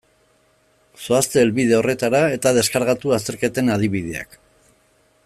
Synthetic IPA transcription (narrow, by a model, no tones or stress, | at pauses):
so̞ast̪e̞ːlβiðe̞o̞re̞t̪aɾae̞t̪að̞e̞skaɾɣat̪uast̪e̞ɾke̞t̪e̞nað̞iβið̞ea̰k